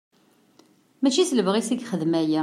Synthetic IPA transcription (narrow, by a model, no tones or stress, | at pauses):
mæt͡ʃːisləvʁisiɡχəðmæjæ